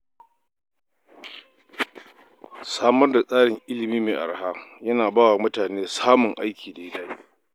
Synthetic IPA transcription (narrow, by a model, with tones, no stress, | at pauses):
saː˦mɐ˦rda˨sʼaː˦ɽɪ˨ŋʔɪ˦lɪ˨miː˦meː˨ʔa̰˨ɽa˨ɦaː˦jɐ˦naː˨baː˦wa˨mʊ˦taː˨neː˦saː˦mʊ˨ŋʔa˦jkʲʰiː˨da˨ɪ˦daː˦i˦